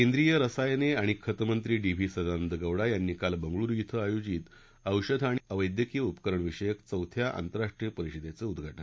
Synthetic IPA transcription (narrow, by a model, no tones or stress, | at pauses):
kend̪ɾijəɾəsajneaɽ̃ikʰət̪mənt̪ɾiːɖibʱiːsəd̪and̪əɡəwɽajanːiːkalbəŋɡɭuːɾjit̪ʰəajod͡ʑiːt̪ | əwɕəd̪ʱaɽ̃iəʋəjd̪jəkijəupəkəɾəɳʋiʂəjəkt͡səwt̪ʰjaʔa̰nt̪əɾaʂʈɾijəpəɾiɕid̪jet͡səud̪ɡʱaʈən